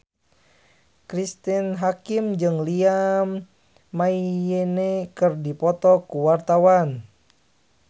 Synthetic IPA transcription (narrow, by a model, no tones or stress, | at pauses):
kɾist̪inɦakimd͡ʒɨŋliamː | aijenɛkɨrdipɔt̪ɔkuwart̪awan